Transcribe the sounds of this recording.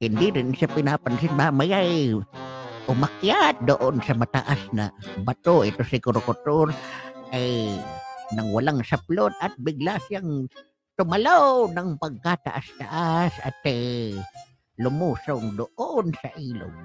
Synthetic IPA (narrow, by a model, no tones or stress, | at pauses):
hɪnd̪ɪɾɪnsapɪnapansɪnmamajaj | ʊmakjat̪̚d̪oʔonsamat̪a̰ʔasna̰bat̪oɪt̪osɪkʊɾʊkʊt̪oɾaj | naŋwalaŋsaplot̪at̪̚bɪɡlasijaŋ | t̪ʊmalawnaŋpaɡ̚kat̪a̰ʔast̪aʔasa̰t̪e | lʊmuːsoŋd̪ʊʔonsaʔiːlo̰ŋ